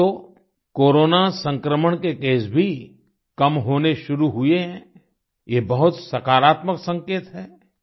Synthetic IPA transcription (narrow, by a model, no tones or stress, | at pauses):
oː | koːɾoːnasɐ̃ŋkɾəməɽ̃kekeːsbʱi | kɐmɦoːneʃʊɾuɦʊeɦɛ̃ː | jebɐɦʊt̪sɐkaːɾaːt̪məksɐ̃ŋkeːt̪ɦɛː